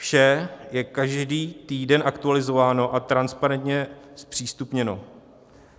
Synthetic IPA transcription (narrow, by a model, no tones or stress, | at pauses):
fʃɛjɛkaʒdiːt̪iːdɛnʔakt̪ualɪzo̞vaːno̞ʔat̪ɾanspaɾɛnt̪ɲɛspr̝̥iːst̪upɲɛno̞